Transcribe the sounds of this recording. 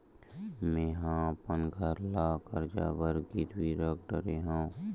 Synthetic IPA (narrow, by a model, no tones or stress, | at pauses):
mẽːɦãpənɡʱəɾlakəɾd͡ʒa̰ːbəɾɡit̪wiɾək̚ɖəɾeɦãː